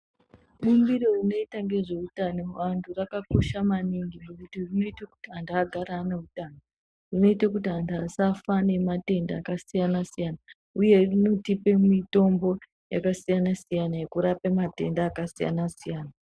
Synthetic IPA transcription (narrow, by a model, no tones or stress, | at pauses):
ɓumbiro̞rino̞itaŋɡe̞ʐe̞utano̞ʋantʰurakakuʃamaniŋɡinekutirino̞itaku̥tiandaːɡʱaɾaːneutano | rino̞itakutiɦandasafane̞mate̞ndaːkasijanasijana | uje̞rino̞tipe̞mito̞mbo̞ | ja̰kasijanasijanaekuɾapemate̞̰ndaːkasija̰nasijaːna